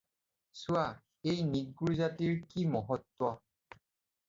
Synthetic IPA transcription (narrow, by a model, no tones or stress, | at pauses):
sʊa | ejniɡ̚ɡuɹzatiɹkimɔɦɔtːwa